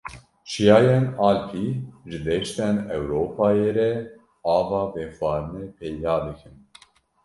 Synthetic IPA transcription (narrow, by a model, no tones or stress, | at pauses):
t͡ʃijɑːjenɑːlpʰiʒɨd̪ɛʃt̪ɛnɛwɾoːpʰɑːjeːɾɛ | ɑːvɑːveːxwɑːɾɨneːpʰɛjd̪ɑːd̪ɨkʰɨn